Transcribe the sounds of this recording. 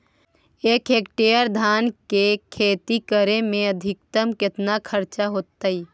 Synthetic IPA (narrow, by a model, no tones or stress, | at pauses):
eːkeːkʈejəɾd̪ʱaːnkekʰeːt̪ikəɾemẽəd̪ʱɪk̚t̪əmkɪt̪nakʰəɾt͡ʃaɦoːt̪ːai